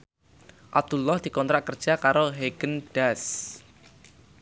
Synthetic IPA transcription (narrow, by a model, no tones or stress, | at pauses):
ʔab̚d̪̥ulːɔhd̪̥i̤kɔnt̪ɾaʔkər̥ʒ̥akaɾoɦeɡ̥ənɖ̥as